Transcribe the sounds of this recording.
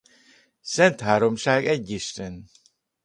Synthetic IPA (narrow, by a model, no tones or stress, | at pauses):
sɛnt̪haːɾomʃaːɡɛɟːiʃt̪ɛn